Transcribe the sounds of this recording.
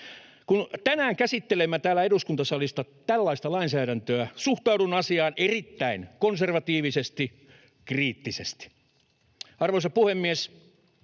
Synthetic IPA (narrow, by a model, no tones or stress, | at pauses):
kunt̪ænæːŋkæsit̪ːelemːæt̪æːlæeɾuskunt̪ɑsɑlist̪ɑt̪ælːɑist̪ɑlɑinsæːɾænt̪øæsuht̪ɑudunɑsiɑːnerit̪ːæinkonserʋɑt̪iːʋisest̪i | kriːt̪ːisest̪i̥ | ɑrʋoisɑpuhemːies